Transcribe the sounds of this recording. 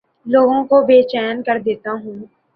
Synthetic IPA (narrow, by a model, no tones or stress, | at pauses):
loːɡõkobeːt͡ʃɛːənkɐɾd̪eːt̪aɦũː